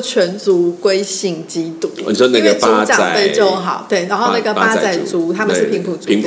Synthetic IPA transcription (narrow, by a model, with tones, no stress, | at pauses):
t͡ɕʰɥɛ˧˦˥nt͡su˨˥˦kwe˥ɪɕi˥˩ŋt͡ɕi˦˥t̪u˨˩˦sɔ˨˧˥ne˨˧˥ɛ˧t͡sau˧˦˥t͡ɕɑ˥a˧˨fe˥˧ɪt͡ɕjo˥˧ʊɦɑ˨˩˦ʊt̪we˥˩ɪna˧˥ŋxo˥˩na˨˧˥ɡə˧pa˧˥˧t͡sa˥˩ɪt͡su˨˥t̪ʰa˥mə˨ʂɻ̩˩pʰi˧˥ŋpʰu˨˩t͡su˨˧ŋ